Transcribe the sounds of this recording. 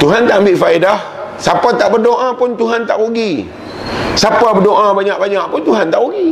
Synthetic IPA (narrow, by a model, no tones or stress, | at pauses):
t̪uɦant̪aʔəmbɪʔfaidah | sapat̪aʔbərdoʔapʊnt̪uɦant̪aʔuɡi | sapabədoʔãbaɲãʔ̚baɲaʔpʊnt̪uɦant̪aʔuɡi